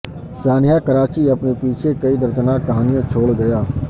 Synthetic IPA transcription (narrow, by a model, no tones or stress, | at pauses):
saːnɪjaːkəɾaːt͡ʃiːəpnipiːt͡ʃʰeːkəiːd̪əɾt̪ənaːkəɦaːnijãːt͡ʃʰoːɽɡəjaː